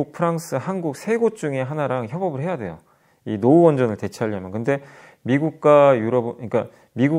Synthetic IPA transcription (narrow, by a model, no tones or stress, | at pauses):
uk̚pʰɯɾaŋs͈ʰɯhanɡuk̚sʰe̞ɡot͡ɕ͈uŋe̞ɦanaɾaŋçjʌbʌbɯɭɦe̞jadwe̞̰jo̰ | inouʌnd͡ʑʌnɯɭte̞t͡ɕʰaʎːʌmjʌnkɯnde̞ | miɡuk̚k͈ajuɾʌbɯik͈a | miɡu